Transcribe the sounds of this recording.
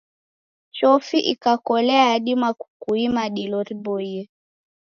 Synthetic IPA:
t͡ʃɔfiʔikakɔlɛaːɗimwaku̥kuimaɗilɔɾibɔiɛ

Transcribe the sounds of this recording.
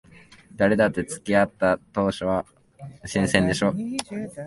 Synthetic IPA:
d̪aɾe̞d̪at̪ːe̞t͡sɨ̥kʲiat̪ːat̪o̞ːɕoβa | ɕĩɰ̃sẽnd̪e̞ɕo̞ː

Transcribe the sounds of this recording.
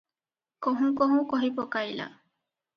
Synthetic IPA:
koɦũkoɦũkoɦipokajla̰

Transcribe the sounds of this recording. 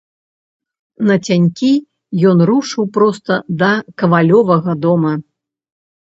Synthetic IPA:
nɐt͡sʲanʲkʲi | jɔnɾuʂɨwpɾɔst̪ɐd̪ɐkɐvalʲɔvɐɣɐd̪ɔmɐ

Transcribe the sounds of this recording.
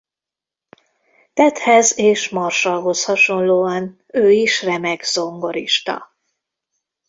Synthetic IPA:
t̪ɛt̪hɛzeːʃmɒrʃɒlɦo̞shɒʃo̞nloːɒn | øːiʃrɛmɛɡzo̞ŋɡo̞ɾiʃt̪ɒ̰

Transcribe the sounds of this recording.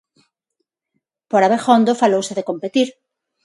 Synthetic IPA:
poɾaβexond̪ofalowseðekompet̪iɾ

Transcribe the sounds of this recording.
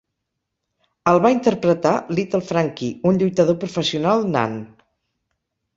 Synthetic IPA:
əlˠβaint̪əɾpɾət̪alit̪əlˠfɾaŋkiunʎujt̪əðopɾufəsiunalˠna̰n

